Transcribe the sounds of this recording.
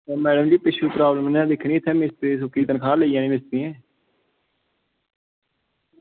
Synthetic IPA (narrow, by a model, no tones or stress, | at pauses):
mɛːɖəmd͡ʒiːpɪʃʰuːpɾaːbləmnɛ̃ːd̪ɪkʰɳ̃iːt̪ʰɛːmɪst̪ɾiːs̬okiːt̪ənkʰaːləiːjãːnĩːmɪst̪ɾĩːɛ̃ː